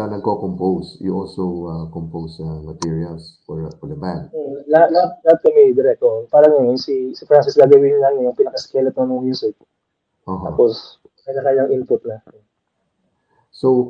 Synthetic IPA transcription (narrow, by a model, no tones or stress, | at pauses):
ɐnɐɡ̚kokompowsjṵʔolsoakompowsɐmɐt̪iɹiɐlsfɔɹfɔɹd̪ɐbad̪̚olɐhat̪lɐhat̪̚lɐhat̪̚kɐmɛd̪ɪɾɛk̚t̪opaːɾɐŋjɐnsisɪfɾansɪsɡaːɡɐwinɪlaŋɐjʊŋpɪnɐkɐskɛlɛt̪̚monɐŋmjuːsɪk̚ | t̪oɦa̰ːpos | mɐkakajɐŋʔɪnpʊt̪̚nɐ | sow